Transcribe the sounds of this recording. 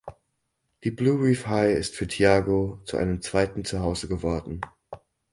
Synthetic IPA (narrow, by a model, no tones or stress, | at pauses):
d̥iːbluːʁiːfhaɪɪstfyːɐtʰiaːɡot͡sṵʔa̰ɪnəmt͡sv̥aɪtn̩t͡suɦaʊzəɡəvɔɐdn̩